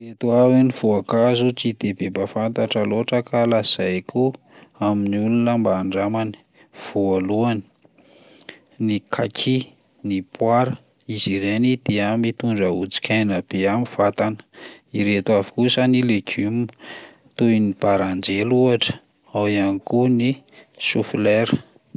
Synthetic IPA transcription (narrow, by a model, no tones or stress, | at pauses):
iret̪uaviniv̥oakazut͡sid̪ebebafant̪aʈ͡ʂəloʈ͡ʂəkalaz̥ajkʰu | aminiulunəmbaːɳɖ͡ʐamani̥ | v̥oaluani̥ | nikʰakʰi | nipwaɾə | iziɾenid̪eəmit̪uɳɖ͡ʐəut͡si̥kʲʰajnab̥eamiv̥at̪anə̥iɾet̪uavi̥kusanileɡum | t̪ujinib̥aɾand͡ʒeluaʈ͡ʂə̥ | awianikunisufileɾə̥